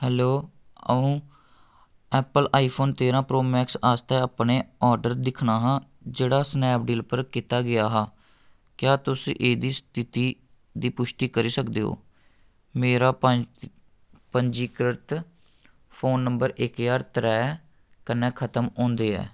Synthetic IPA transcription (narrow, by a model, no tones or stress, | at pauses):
hɛːloː | ə̰ũː | ɛːpəlʔaːiːpʰoːnt̪eːɾãːpɾoːmɛːksaːst̪ɛːaːpneːɔːɾɖəɾd̪ɪkʰɳaːɦãː | d͡ʒeːɽaːsnɛːp̚ɖiːlpəɾkɪt̪aːɡɪjaːɦaː | kjaːt̪ʊsḭ̃ːʔeːd̪iːst̪ɪt̪iː | d̪iːpʊʃʈiːkəɾiːsəkd̪eːɦo̰ː | meːɾaː | pəɲd͡ʒiːkɾət̪ | pʰoːnːəmbəɾɪkjaːɾt̪ɾɛː | kənːɛ̃ːkʰət̪əmõːnd̪eːɛ̰ː